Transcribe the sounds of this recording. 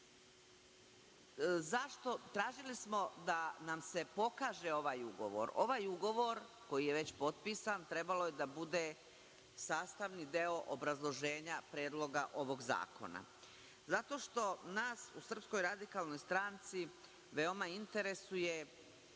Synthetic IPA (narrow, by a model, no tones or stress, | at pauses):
zaʃt̪o̞t̪ɾaːʒilismo̞d̪anamse̞po̞kaːʒe̞o̞ʋaːjuɡo̞̰ʋo̰ɾo̞̰ʋaːjuɡo̞ʋo̞ɾ | ko̞jijeʋe̞t͡ɕpo̞t̪̚piːsant̪ɾe̞balojed̪abud̪e | saːst̪aʋnid̪eoʔobɾazlˠo̞ʒeːɲapɾeːd̪lˠo̞ɡaʔo̞ʋo̞ɡza̰ːko̞̰na̰ | zat̪o̞ːʃt̪o̞naːsṵsr̩psko̞jɾad̪ikalˠno̞jst̪ɾant̪si | ʋeo̞maint̪eɾe̞suje̞